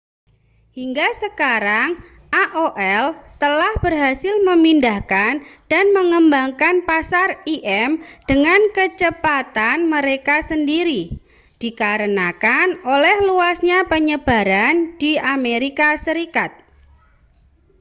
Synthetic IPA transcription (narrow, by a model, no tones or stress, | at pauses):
hiŋɡasəkaɾaŋ | ʔaʔoʔɛlt̪əlahb̥ərɦasɪlməmindahkand̥anməŋəmbaŋkanpasariʔɛmd̥əŋankət͡ʃəpat̪anməɾekasəndiɾi | d̥ikaɾənakanolɛhluasɲapəɲəb̥aɾand̥iameɾikasəɾikat̪̚